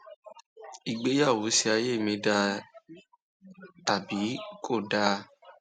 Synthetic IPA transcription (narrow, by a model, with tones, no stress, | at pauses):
i˨ɡ͡be˨˦ja˦˨wu˨˦si˧a˧je˦˨mĩ˧˦da˧ | ta˨bi˨˦kʰo˦˨da˧